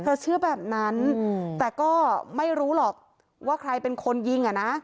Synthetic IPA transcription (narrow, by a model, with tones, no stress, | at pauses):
t̪ʰɤː˧t͡ɕʰɯ˥˩ɐbɛː˨˩p̚na˦˥nt̪ɛː˨˩kɔː˥˩ma˥˩jɾuː˦˥lɔː˨˩k̚ | waː˥˩kʰɾa˧jpe˧nkʰo˧nji˧ŋʔa˨˩na˦˥